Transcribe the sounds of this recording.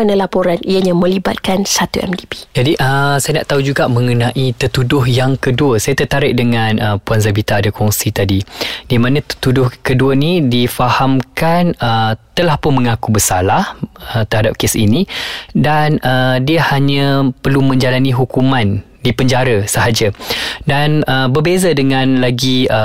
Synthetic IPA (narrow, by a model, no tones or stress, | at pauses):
analapoɾanʔijaɲamə̃liba̰t̪̚kansat̪ṵʔɛ̰mdibi̥d͡ʒadiʔəsajanaʔt̪aud͡ʒuɡaʔmə̃ŋənãʔit̪ət̪udʊɦjaŋkəduəsajat̪ət̪aɾɪʔ̚dəŋanʔəpuanzabit̪aːdakʰɔŋsit̪adid̥imãnãt̪ə̥t̪udʊhkəduənidifahamkanət̪əlahpʊnmə̃ŋãkubəsalahət̪ərhadap̚kesḭnĩdanʔədiəhaɲãpərlumə̃ɲd͡ʒalanĩɦukumãn | dipəɲd͡ʒaɾəsəɦad͡ʒadanəbərbezadəŋãnlaɡiə